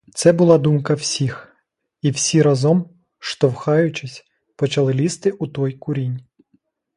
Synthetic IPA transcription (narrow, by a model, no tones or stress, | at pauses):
t̪sɛbʊlˠɑd̪umkɐwsʲix | iwsʲiɾɐzɔm | ʃt̪ɔwxɑjʊt͡ʃɪsʲ | pɔt͡ʃɐlˠɪlʲist̪ɪʔut̪ɔjkʊɾʲinʲ